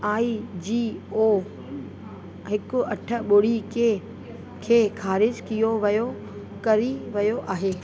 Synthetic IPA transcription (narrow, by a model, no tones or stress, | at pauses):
aːid͡ʑiːoː | ɦɪkʊɐʈʰə̆ɓʊɽikʰe | kʰeːxʰaːɾɪd͡ʑkijoʋɐjo | kɐɾiʋɐjoʔaːɦeː